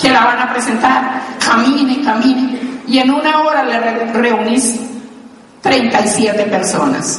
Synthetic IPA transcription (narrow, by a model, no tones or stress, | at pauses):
kelaβanapɾesent̪aɾkamĩnekamĩnjenunaoɾalereunis | t̪ɾejnt̪aisjet̪epeɾso̞̰na̰s